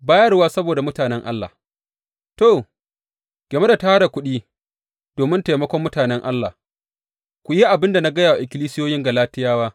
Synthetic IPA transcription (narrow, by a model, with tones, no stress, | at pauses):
baː˦jɐ˦rwaː˦sɐ˦boː˨da˨mʊ˦taː˨nɛ˦ŋʔa˦lːa̰ː˨ | toː˦˨ | ɡ̥ʲeː˨me˦da˨ta˦ha˦ɽa˨kʷʊ˦ɗiː˦ | d̥oː˨mɪ˦nteː˨mɐ˦kʷɔ˦mːʊ˦taː˨nɛ˦ŋʔa˦lːa˨ | kʷʊ˨ji˦ʔa˨bɪ˦nda˨na˦ɡɐ˦jaː˨wa˨ʔɪ˨kʲɪ˦liː˦sɪ˦joː˦jɪ˦ŋɡa˨laː˦tɪ˦jaː˦waː˦